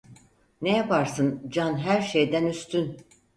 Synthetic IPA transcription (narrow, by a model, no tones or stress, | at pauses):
nejapaɾsɯnd͡ʒanɦæɾʃejd̪ænyst̪ʰyn